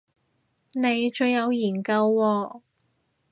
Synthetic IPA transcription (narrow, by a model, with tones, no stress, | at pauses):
ne˨˧jt͡ʃɵ˧ɥjjɐ˨˧wjiː˨˩nkɐ˧wːɔː˧